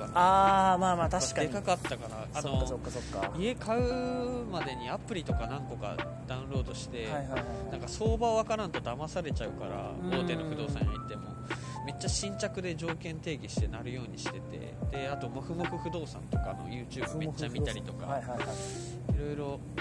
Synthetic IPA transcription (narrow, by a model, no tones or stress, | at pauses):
kaaːmaːmaːt̪aɕi̥kad̪e̞kakat̪ːakanaːnoːokːaie̞kʰaɯ̟mad̪e̞ɲ̟iapɯ̟ɾʲit̪o̞kanãŋko̞ka̰ | d̪̥aɯ̟̃nɾo̞ːd̪o̞ɕi̥t̪e̞ajajnãŋkaso̞ːbaoβakaɾãnt̪o̞d̪amasaɾe̞t͡ɕaɯ̟kaɾa̰oːt̪e̞noɸɯd̪o̞ːsã̰ɲːit̪ːe̞mo̞̰ | me̞t͡ɕːaɕĩɲ̟t͡ɕakɯ̟d̪e̞ʑo̞ːkẽ̞nt̪e̞ːɡʲiɕi̥t̪e̞naɾɯ̟jo̞ːɲ̟iɕi̥t̪e̞t̪e̞̰d̪̥e̞at̪o̞moɸɯ̟moɸɯ̟ɸɯ̟d̪o̞ːsã̰nt̪o̞kano̞̰jɯ̟ːt͡ɕɨːbɯmet͡ɕːamʲiaɾʲit̪o̞ka̰a | iɾo̞jɾo̞